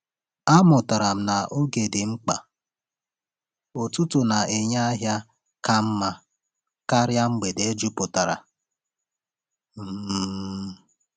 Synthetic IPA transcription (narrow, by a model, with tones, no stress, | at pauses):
a˦mʊ˨ta˨ɾa˨m̩˨na˨ʔo˦ɡe˨dɪ˨ŋ͡m̩˦k͡pa̰˨ | o˨tu˦tʊ˨na˨ʔe˨ɲa˦a˦ɦja˦ | ka˦m̩˦ma˦ | ka˦ɾja˦ŋ͡m̩˦ɡ͡be˨de˦d͡ʒu˦pʊ˨ta˨ɾa̰˨ | m̩˦